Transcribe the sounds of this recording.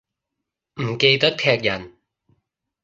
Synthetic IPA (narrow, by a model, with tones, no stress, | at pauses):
m̩˨˩ke˧jt̪ɐ˥k̚t̪ʰɛː˧k̚jɐ˨˩n